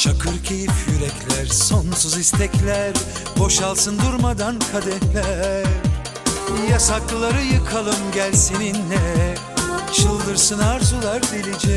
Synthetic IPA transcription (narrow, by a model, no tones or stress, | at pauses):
t͡ʃʰakʰɯɾcʰe̞jifjyɾɛcʰlʲæɾso̞nsuzist̪ʰɛclʲæɾ | bo̞ʃalˠsɯnd̪uɾmad̪ankʰad̪ɛɾlʲæɾ | jasaklˠaɾɯjɯkʰalˠɯmɟælʲsininlɛ | t͡ʃɯlˠd̪ɯɾsɯnaɾzulˠaɾd̪elʲid͡ʒɛ